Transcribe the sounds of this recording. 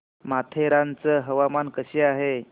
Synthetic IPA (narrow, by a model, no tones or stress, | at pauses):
mat̪ʰeɾãnt͡səɦəʋamankəɕeaɦe